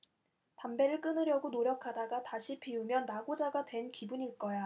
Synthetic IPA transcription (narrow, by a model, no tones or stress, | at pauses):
pambe̞ɾɯɭk͈ɯnɯɾjʌɡonoɾjʌkʰadaɡataɕʰipʰiumjʌnːaɡod͡ʑaɡadwe̞nkibuɲiɭk͈ʌja